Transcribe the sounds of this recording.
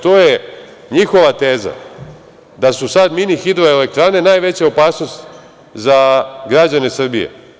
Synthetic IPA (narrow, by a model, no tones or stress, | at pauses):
t̪oje | ɲixo̞ʋat̪e̞ːza̰ | d̪asusad̪minixid̪ɾoele̞k̚t̪ɾane̞naːjʋe̞t͡ɕaopaːsno̞st̪ | zaɡɾad͡ʑane̞sr̩bijḛ